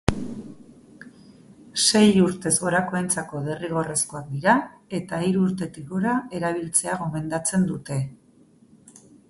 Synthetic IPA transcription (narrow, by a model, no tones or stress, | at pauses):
se̞juɾt̪e̞zɣo̞ɾako̞ent͡sako̞ð̞e̞riɣ̞o̞re̞sko̞ak̚d̪iɾae̞t̪aiɾuːɾt̪e̞t̪iɣoɾae̞ɾaβ̞ilt͡se̞aɣ̞o̞me̞nd̪at͡se̞nd̪ut̪e̞